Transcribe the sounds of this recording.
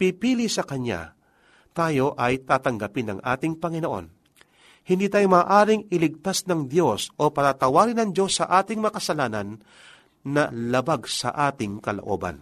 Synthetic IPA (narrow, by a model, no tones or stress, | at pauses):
pipiːlisɐkɐɲja̰ | t̪aːjo̞ʔɐjt̪aːt̪ɐŋɡɐpɪnːɐ̰ŋʔa̰ːt̪ɪŋpɐŋɪno̞ʔo̞̰n | hɪnd̪iːt̪aːjomaːʔaːɾɪŋɪlɪɡ̚t̪asnɐŋd̪jo̞sʔo̞pɐt̪at̪ɐwaːɾɪnɐŋd̪o̞sːɐʔaːt̪ɪŋmɐɐkɐsɐlaːnɐnː | ɐlɐbaɡsɐ̰ʔaːt̪ɪŋkɐloʔo̞ːbɐ̰n